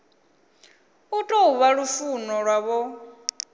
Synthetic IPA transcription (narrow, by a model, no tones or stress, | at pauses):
utʼɔuβaɺufunɔɺwaβɔ